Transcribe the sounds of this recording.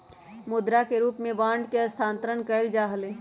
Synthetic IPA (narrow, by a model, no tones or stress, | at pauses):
mʊd̪ɾakeɾuːpmẽbãːɳɖkeɐst̪ʰãːnt̪ɾəɳkəɪld͡ʒaːɦəleː